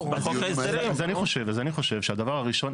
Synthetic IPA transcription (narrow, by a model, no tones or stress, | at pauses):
baχoaisezaniχo̞ʃe̞vazaniχo̞ʃe̞vʃead̪avaʁaʁiʃo̞n